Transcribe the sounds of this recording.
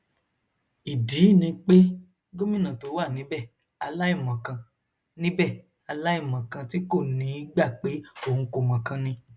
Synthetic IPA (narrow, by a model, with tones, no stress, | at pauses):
i˨di˨˦˨nĩ˧k͡pe˦ | ɡo˦mĩ˦˨nã˨to˨˦wa˦˨nĩ˨˦bɛ˦˨ | a˧la˦i˦˨mã˨kã˧ | nĩ˦bɛ˦˨ | a˧la˦i˦˨mã˨kã˧ti˦ko˦˨nĩ˨˧˦i˨˦ɡ͡ba˦˨k͡pe˨˦o˦˨ũ˧ko˧˨mã˨kã˧nĩ˧